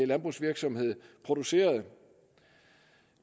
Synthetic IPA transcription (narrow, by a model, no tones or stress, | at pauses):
lænb̥ʁṵsʋiɐɡ̥sɒ̽mhe̝ð̞̰ˠpʰʁo̝d̥use̝̰ːɐð̩ˠ